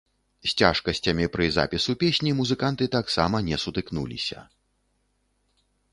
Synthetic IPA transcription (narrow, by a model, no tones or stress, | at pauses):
sʲt͡sʲa̰ʂkɐsʲt͡sʲɐmʲipɾɨza̰pʲisupʲesʲnʲimuzɨkant̪ɨt̪aksamɐnʲɛsut̪ɨknṵlʲḭsʲɐ̰